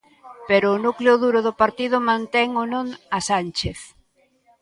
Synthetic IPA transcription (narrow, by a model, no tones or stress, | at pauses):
peɾoːnukleʊðuɾʊðʊpaɾt̪iðʊmãnt̪ɛŋonõŋasanʲt͡ʃeθ